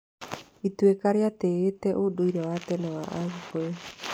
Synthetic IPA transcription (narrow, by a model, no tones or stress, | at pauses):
itwekaɾeateetɛʔodoiɾɛwatɛnɛwaʔaɣukoe